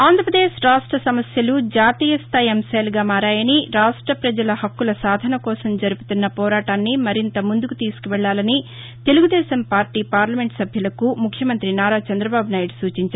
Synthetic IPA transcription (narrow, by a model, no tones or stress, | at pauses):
aːnd̪ʱɾɐpɾɐd̪eːʃɾaːʂʈɾɐsɐmɐsjɐlud͡ʒaːt̪iːjɐst̪ʰaːjɐmsaːluɡaːmaːɾaːjɐniɾaːʂʈɾɐpɾɐd͡ʒɐlɐhɐkːulɐsaːd̪ʱɐnɐkɔːsɐmd͡ʒɐɾupu̥t̪unːɐpɔːɾaːʈaːnːimɐɾint̪ɐmund̪ukut̪iːsu̥kuʋɛɭːaːlɐni | t̪e̞luɡud̪ɛːsɐmpaːɾʈiːpaːɾlɐme̞ɳʈsɐbʱjɐlɐkumukʰjɐmɐnt̪ɾinaːɾaːt͡ʃɐnd̪ɾɐbaːbʱunaːjɐɽsuːt͡ʃiɲt͡ʃaː